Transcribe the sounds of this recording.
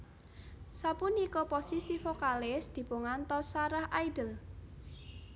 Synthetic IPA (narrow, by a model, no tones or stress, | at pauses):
sapunikɔposisifokalɪsd̪̥i̤puŋant̪ɔsaɾahajɖəl